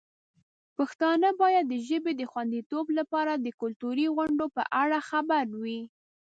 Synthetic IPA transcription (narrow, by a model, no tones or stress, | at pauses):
paxt̪ɑnəbɑjad̪ːəʒəbed̪əxwand̪it̪oblapɑɾad̪əkʊlt̪uɾiɣʊɳɖopə̰ʔaɽaxabaɾwi